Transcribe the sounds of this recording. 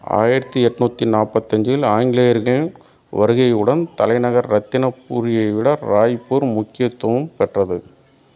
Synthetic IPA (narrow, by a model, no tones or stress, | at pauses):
a̰ːjɪɾɐt̪ːɯɛʈːnuːt̪ːinaːpɐt̪ːɐɲd͡ʒɪlaːŋɡɪlejɐɾɣɐɭɪn | ʋɐɾɯɣɐjɯɽɐnt̪ɐlɐɪnɐɣɐɾːɐt̪ːɪnɐpːuːɾɪjɐɪʋɪɽɐɾaːjpːuːɾmʊkːɪjɐt̪ːwɐʋɯmpɛʈrɐðɯ